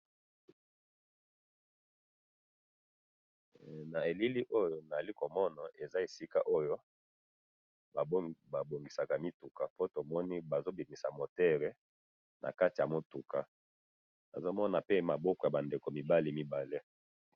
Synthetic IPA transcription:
na˨e˨li˦li˦ʔo˦jo˨na˨li˦ko˨mɔ˦na˨ʔe˨za˦e˨si˦ka̰˦ʔo˦jo˦ | a˨˦ba˨bo˨ŋɡi˨sa˨ka˨mi˦tu˨ka˨po˦to˨mɔ˦ni˦ba˨zo˦bi˨mi˨sa˨mo˨tɛ˦ʁe˦ | nʔa̰˨ka˦ti˨ja˨mo˦tu˨ka˨ | na̰˨zo˦mɔ˦na˨pe˦ma˨bɔ˦kɔ˨ja˨ba˨nde˨ko˨mi˨ba˦li˦mi˦ba˨le˦

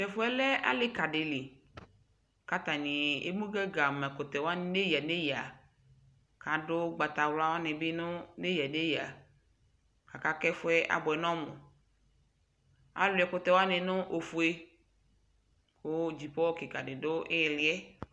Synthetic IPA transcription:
tɛ˨fo˦ɛ˦lɛ˦a̰˦le˦ka˨ɖe˨le˨ | ka˦t̪a˨nĩ˨ḛ˦mũ˦ɡe˦ɡa˨mɛ˨ko˨t̪ɛ˨wa˦n˦ne˦ja˨ne˦ja˨ | ka˨do˦ɡ͡ba˨t̪a˨wla˦wa˦nɛ̃˨be˦nʊ̃˦ne˦ja˨ne˦ja˨ | ka˨ka˦kɛ˦fo˦ɛ˦ʔa̰˨bɔ˨ɛ˨nɔ̃˦mõ˨ | a̰˨lu˨ɛ˨ko˨t̪ɛ˨wa˦nẽ˨nʊ̃˦ʔo˨fu˨e˦ | wo˦d͡ʑi˨pɔ˦wke˨ka̰˨ɖe˨do˦e˦ɛ˨li˨˦ɛ˦

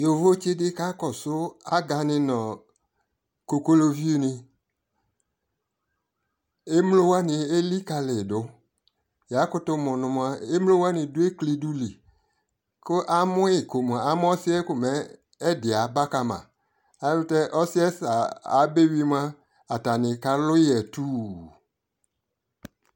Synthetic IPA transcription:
jo˨vo˦t͡ʃe˦dɪ˦ka˦kɔ˨sʊ˦a˦ɡa˧nɪ̃˧nɔ̃˨ | ko˨ko˦lo˧vi˦u˦nɪ˧ | e˦mlo˦wa˦nɪ˧e˦li˦ka˧lɪ˨dʊ˨˦ | ja˨˦kʊ˦tʊ˧mʊ˨nʊ̃˧mʷ˨˦a˦e˦m˦lo˦wa˦nɪ̃˧dʊ˦e˦kli˧du˦li˨ | kʊ˦ʔa˦mʊ̃˦ɪ˨ko˨m˨a˨a˦mʊ̃˦ɔ˦sɪ˦ɛ˦kʊ˨mɛ˨˦ | ɛ˦dɪ˨a˨˦ba˦ka˨mã̰˨ | a˨˦lʊ˦tɛ˦ʔɔ˦sɪ˦ɛ˦sa˨a˨˦be˦wi˦m˦a˦ | a˨ta˨nɪ̃˨ka˦lʊ˦jɛ˨tuː˦˨

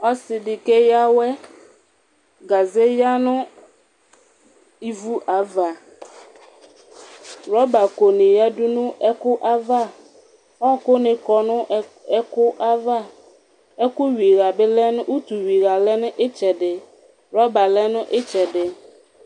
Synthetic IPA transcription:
ɔ˦sɪ˨dɪ˨ke˦ja˦wɛ˦ | ɡa˨ze˦ja˦nʊ̃˦ | i˦vu˦ʔa˨˦va˨ | ɾɔ˦ba˨ko˨nɪ̃˨ja˦dʊ˦nʊ̃˦ɛ˦kʊ˦ʔa˦va˦˨ | ɔ˦kʊ˦nɪ̃˨kɔ˨nʊ̃˦ɛ˦kʊ˦ʔa˦va˦ | ɛ˦kʊ˦ɥi˨ɾa˨bɪ˦lɛ˦nʊ˦u˦t̪u˨ɥi˨ɾa˨lɛ˦nʊ̃˦ʔɪ˦t͡ʃɛ˨dɪ˨ | ɾɔ˦ba˨lɛ˦nʊ̃˦ʔɪ˦t͡ʃɛ˨dɪ˨

